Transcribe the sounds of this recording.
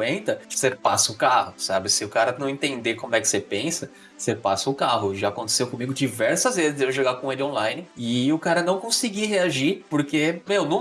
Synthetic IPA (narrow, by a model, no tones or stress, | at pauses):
ẽnt̪ɐ̥sepasɐʊkahʊsabɪsɪʊkaɾɐnɐ̃w̃ẽnt̪ẽnd̪ekõmʊɛkɪ̥sepẽsɐ | sepasɐʊkaɦʊʒaːkõt̪e̥sewkõmiɡʊd͡ʒivɛɾsɐzvezɪzewʃeɡakõelɪõlajnɪɪʊkaɾɐnɐ̃w̃kõsiɡiɦeaʒiɾpoɾkemewnũ